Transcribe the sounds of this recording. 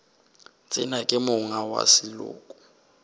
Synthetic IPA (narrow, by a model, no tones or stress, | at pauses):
t͡sʼɪnakʼɪmʊŋawa̰sɪlʊ̰ːkʼɔ̥